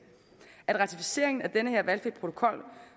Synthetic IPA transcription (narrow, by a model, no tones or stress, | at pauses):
æd̥ʁɑ̈t͡sʰifise̝̰ɐ̰e̝ŋn̩æd̥enəheɐ̰ʋælfid̥̚pʰʁo̝t͡sʰo̝̥kʰɒ̽l̰